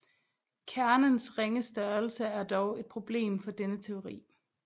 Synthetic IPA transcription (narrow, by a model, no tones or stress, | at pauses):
kʰæɐnənsʁeŋəsd̥ɶɐl̩səæɐd̥ɒʊe̝d̥̚pʰʁo̝b̥le̝̰ːmfɒ̽d̥enət͡sʰe̝o̝ʁḭː